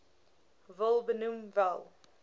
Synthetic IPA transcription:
vəlˠbənumvɛlˠ

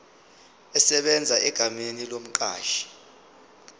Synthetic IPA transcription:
ɛsɛɓɛnd͡zʱaɛɡ̥ʱamenilom̩ǃ̬ʼa̰ːʃi̥

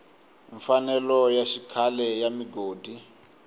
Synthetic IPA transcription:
ɱfanɛlɔjaʃikʰalɛjamiɡoːdʱi

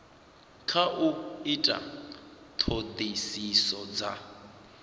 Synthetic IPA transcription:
kʰaʔuitʼa̰ | t̪ʰod̪isisɔd͡za

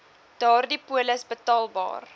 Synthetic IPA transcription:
d̥ɑːrdipuələsbətɑːlˠbɑ̰ːr

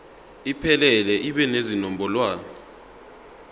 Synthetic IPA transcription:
ipʰɛlɛlɛʔiɓɛnezinɔmbʱɔlwaːnɔ

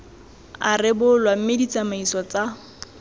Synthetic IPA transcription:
arɪbʊlwam̩medit͡samaisɔt͡sa

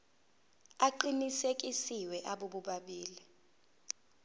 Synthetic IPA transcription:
aǃinisek̬ʼisiwɛʔaɓuɓuɓaɓiːli

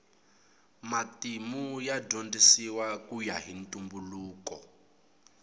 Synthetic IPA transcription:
matimujadondisiwakujaɦintʼumbuluːkɔ

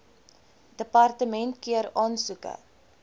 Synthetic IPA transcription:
d̥əpɑrtəmɛntkiəɾɑːnsukə̰

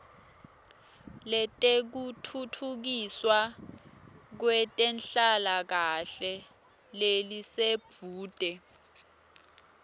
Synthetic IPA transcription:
lɛtʼek̬utʰutʰuk̬iswa | k̬wɛtʼɛnɬalak̬aɬɛ | leliseb̥v̥ʱuːd̥ʱɛ

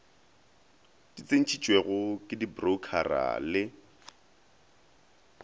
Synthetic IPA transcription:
d̥it͡sʼen̩t͡ʃʰit͡ʃʼweɣʊkʼɪdibrokʰa̰ra̰lɪ

